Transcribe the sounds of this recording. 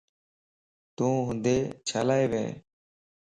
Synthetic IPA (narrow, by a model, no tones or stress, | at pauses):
t̪ũːɦʊ̃nd̪eːt͡ʃʰaːlaːeːʋḛː